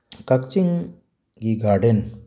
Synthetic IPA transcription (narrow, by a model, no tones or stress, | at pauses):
kɐkt͡ʃiŋ | ɡiɡaːɾɖən